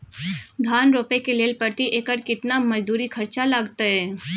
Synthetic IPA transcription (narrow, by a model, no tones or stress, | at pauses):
d̪ʱaːnɾoːpekeleːlpəɾt̪iʔeːkəɾkɪt̪namɐd͡ʒd̪uːɾikʰɐɾt͡ʃalaɡt̪aɦɛː